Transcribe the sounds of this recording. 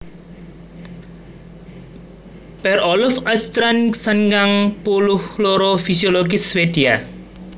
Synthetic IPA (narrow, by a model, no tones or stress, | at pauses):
pɛɾɔlɔfast̪ɾansanɡaŋpuluhloɾofisioloɡiswedia